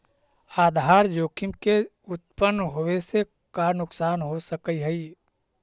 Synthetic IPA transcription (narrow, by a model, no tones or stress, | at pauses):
aːd̪ʱɦaːɾd͡ʒoːkʰɪmke | ʊt̪̚pənːɦoːʋese | kaːnʊksaːnɦosəkiɦɛi